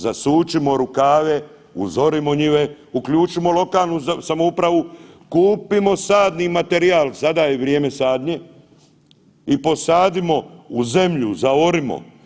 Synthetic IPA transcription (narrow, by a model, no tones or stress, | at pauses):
zasuːt͡ʃimo̞ɾukaːʋe | ṵzo̞ɾimoɲiʋe | ukʎuːt͡ʃimo̞lo̞kaːlˠnusamoupɾaʋukuːpimo̞saːd̪nimat̪e̞ɾiaːlzad̪ajeʋɾjeːme̞saːd̪ɲe̞ | ipo̞saːd̪imo̞uze̞mʎuzaoɾimo̰